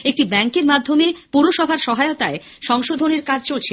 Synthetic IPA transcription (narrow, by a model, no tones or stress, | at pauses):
ek̚ʈibɛŋkeɾmad̪ʱːomepuɾoʃɔbʱaɾʃɔɦaeot̪ae | ʃɔŋʃod̪ʱoneɾkad͡ʑʱt͡ɕolt͡ɕʰe